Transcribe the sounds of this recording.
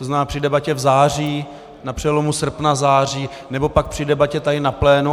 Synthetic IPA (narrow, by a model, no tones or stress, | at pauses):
t̪oznaːpr̥ɪdɛbacɛvzaːriː | napr̝̥ɛlo̞musr̩pnazaːr̝iː | nɛbo̞pak̚pr̝̥ɪdɛbacɛt̪adɪnaplɛːnu